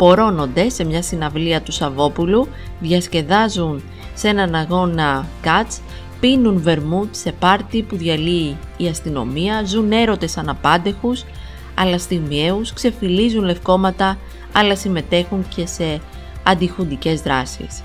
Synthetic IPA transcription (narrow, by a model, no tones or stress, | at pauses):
po̞ɾo̞no̞nd̪e̞se̞mɲɐsinɐvliɐt̪usɐvo̞pulu | ðʝɐsce̞ðɐzun | se̞nɐnɐɣo̞nɐkɐt͡s | pinunve̞ɾmut̪se̞pɐɾt̪ipuðʝɐliːɐst̪ino̞̰miɐzune̞ɾo̞t̪e̞sɐnɐpɐnd̪e̞xus | ɐ̰lɐst̪imie̞uskse̞filizunle̞fko̞mɐt̪ɐ | ɐlɐsime̞t̪e̞xuŋce̞se̞ | ɐnd̪ixund̪ice̞zðɾɐsḭs